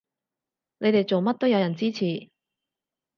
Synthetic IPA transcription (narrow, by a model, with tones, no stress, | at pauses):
ne˨˧jt̪e˨jt͡so˨wmɐ˥t̚t̪o˥wjɐ˧jɐ˨˩nt͡siː˥t͡sʰiː˨˩